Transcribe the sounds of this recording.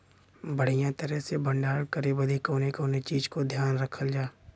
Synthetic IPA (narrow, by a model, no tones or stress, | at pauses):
bəɽ̤ijãt̪əɾəsebə̃ɳɖaːɾkəɾebəd̪ʱikoːnekoːnet͡ʃiːd͡ʒkod̪ʱjaːnɾɐkʰəld͡ʒaː